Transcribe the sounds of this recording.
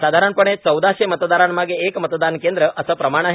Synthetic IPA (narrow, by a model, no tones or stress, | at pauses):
sad̪ʱaɾanpəɳ̃et͡səwd̪aɕemət̪d̪aɾaɳmaɡeːkmət̪d̪ankend̪ɾəʔəsəpɾəmaɽ̃aɦe